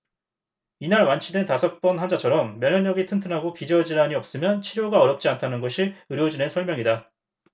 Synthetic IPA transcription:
inaɭwant͡ɕʰidwe̞ntasʰʌk̚p͈ʌnɦand͡ʑat͡ɕʰʌɾʌmːjʌɲʌɲːʌɡitʰɯntʰɯnɦaɡopid͡ʑʌd͡ʑiɾaɲiʌp̚s͈ɯmjʌnt͡ɕʰiɾjoɡaʌɾjʌp̚t͡ɕ͈iantʰanɯnɡʌɕʰiɯɾjod͡ʑunensʰʌɭmʲjʌŋida

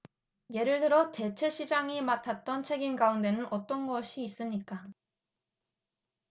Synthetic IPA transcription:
je̞ɾɯɭdɯɾʌte̞t͡ɕʰe̞ɕʰid͡ʑaŋimatʰat̚t͈ʌnt͡ɕʰe̞ɡimɡaunde̞nɯnʔʌt͈ʌnɡʌɕʰiːs͈ɯmɲik͈a

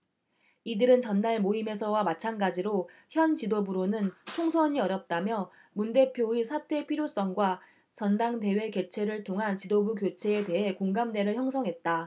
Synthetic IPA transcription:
idɯɾɯnt͡ɕʌnːaɭmoime̞sʰʌwamat͡ɕʰanɡad͡ʑiɾoçjʌnt͡ɕidobuɾonɯnt͡ɕʰoŋsʰʌɲiʌɾjʌp̚t͈amjʌ | munde̞pʰjoesʰatʰwe̞pʰiɾjos͈ʌŋɡwa | t͡ɕʌndaŋte̞we̞ke̞t͡ɕʰe̞ɾɯɭtʰoŋɦant͡ɕidobukjot͡ɕʰe̞ːte̞ɦe̞koŋɡamde̞ɾɯɭçjʌŋsʰʌŋɦe̞t̚t͈a

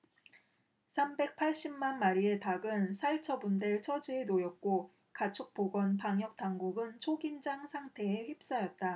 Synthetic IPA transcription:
sʰambe̞k̚pʰaɭɕ͈immanmaɾie̞taɡɯnsʰaɭt͡ɕʰʌbundeɭt͡ɕʰʌd͡ʑienojʌk̚k͈o | kat͡ɕʰok̚p͈oɡwʌnpaŋjʌk̚t͈aŋɡuɡɯnt͡ɕʰoɡind͡ʑaŋsʰaŋtʰe̞ːɸɥip̚s͈ʌjʌt̚t͈a

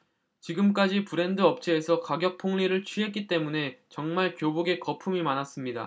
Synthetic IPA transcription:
t͡ɕiɡɯmk͈ad͡ʑipɯɾe̞ndɯʌp̚t͡ɕʰeːsʰʌkaɡjʌk̚pʰoŋʎiɾɯɭt͡ɕʰɥiɦe̞t̚k͈it͈e̞mune̞t͡ɕʌŋmaɭkjoboɡe̞kʌpʰumimanas͈ɯmɲida̰

